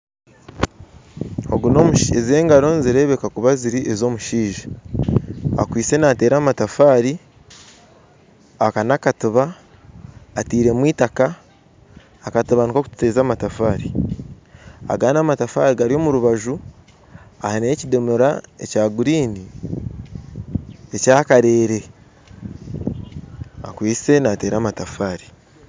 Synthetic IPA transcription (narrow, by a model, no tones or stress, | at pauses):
o̞ɡuno̞muʃeze̞ːŋɡaɾo̞nziɾe̞ːβe̞kakuβaziɾiʔezo̞muʃiːʒḁ | a̰kwiːt͡se̞nate̞ːɾaːmatafaːɾi | akanakatuβaː | tiːɾe̞mwiːtaka | katuβanikokutu̥teːzaːmatafaːɾi | a̰ɡanaːmatafaːɾiɡaɾio̞muɾuβaʒu | a̰hanecidemuɾa̰e̞̰caːɡuɾiːni | e̞caːkaɾe̞ːɾe̞ | a̰kwiːse̞nate̞ːɾaːmatafaːɾi̥